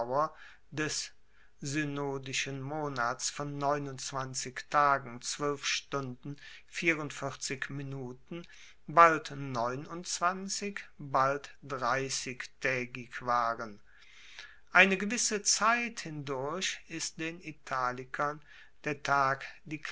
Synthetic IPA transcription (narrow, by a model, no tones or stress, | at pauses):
wɐ | dɛs | zynoːdɪʃənmoːnaːsfɔnːɔʏnʊntt͡sv̥ant͡sɪktʰaːɡŋ̩t͡sv̥œlfʃtʊndn̩fiːʁʊntfɪɐt͡sɪkminuːtn̩ | baltnɔʏnʊnt͡sv̥ant͡sɪkbaltd̥ʁaɪsɪçtʰɛːɡɪkv̥aːʁən | ʔaɪnəɡəvɪsət͡saɪthɪndʊɐçɪst̚d̥eːnitʰaːlɪkʰɐn | d̥eːɐtʰaːkd̥iːk